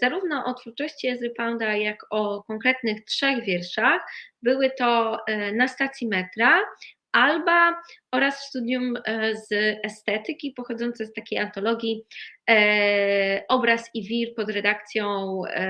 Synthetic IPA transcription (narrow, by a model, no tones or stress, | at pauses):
z̥aɾuvnɔʔɔt̪fuɾt͡ʂɔɕt͡ɕiɛzɘpand̪ajakɔkɔŋkɾɛt̪nɘxtʂɛɣvʲjɛɾʂaxbɘwɘt̪ɔnast̪at̪sʲjimɛt̪ɾa | ʔalbaɔɾasfst̪ud̪ʲjumzɛst̪ɛt̪ɘkʲipɔxɔd̪zɔnt̪sɛst̪akʲejant̪ɔlɔɡʲi | ʔɔbɾasivʲiɾpɔd̪ɾɛd̪akt̪sʲjɔ̃w̃